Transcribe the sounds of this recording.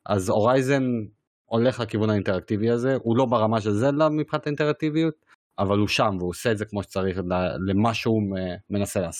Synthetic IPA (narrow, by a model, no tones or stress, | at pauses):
ʔa̰zo̞ʁajze̞n | o̞le̞χlekivunhainte̞ʁak̚t̪iviaze̞ʔulo̞beʁamaʃelzelamipχinat̪aint̪eʁak̚t̪ivijut̪̚ | avaluʃamveusedzekmo̞ʃe̥t͡saʁiχlelemaʃeume̞naseleaso